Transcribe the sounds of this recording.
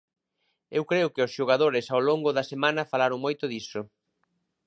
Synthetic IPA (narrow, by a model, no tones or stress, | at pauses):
ewkɾeʊkɪʊsʃoɣ̞aðoɾɪsawloŋɡʊðɐsemãnɐfalaɾoŋmojt̪ʊðisʊ